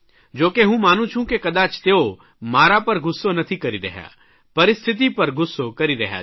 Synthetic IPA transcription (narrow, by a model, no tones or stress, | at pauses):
d͡ʒoːkeɦũmaːnũt͡ʃʰũkekɐd̪aːt͡ʃt̪eːo | maːɾapɐɾɡʊsːonɐt̪ʰikɐɾiɾɐ̰ɦja̰ː | pɐɾɪst̪ʰɪt̪̬ipɐɾɡʊsːokɐɾiɾɐɦja̰